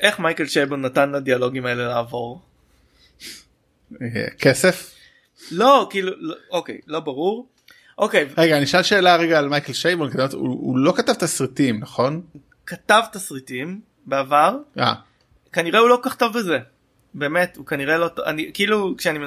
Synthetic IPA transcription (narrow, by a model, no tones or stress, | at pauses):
ʔe̞χmajkelʃejbonatanladialo̞ɡimaele̞laːvo̞ʁ | ekesef | lo̞kiːlulookḛjlo̞baʁuʁ | ʔo̞kejvʁeɡaːniʃalʃe̞ːlaʁeɡaːlmajkelʃejbonkat̪avtṵṵlo̞katavt̪asʁitimnaχo̞n | katavtasʁitim | beavaʁʔa̰ | kaniʁeulo̞kokaχto̞vbeze̞ | be̞ːme̞tukaniʁelo̞toa̰nikiiːlukʃeanime